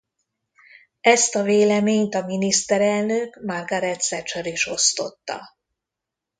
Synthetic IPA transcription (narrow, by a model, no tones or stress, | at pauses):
ɛst̪ɒveːlɛmeːɲt̪ɒminist̪ɛɾɛlnøkmɒrɡɒɾɛt̪sɛt͡ʃɒɾiʃo̞st̪o̞t̪ːɒ̰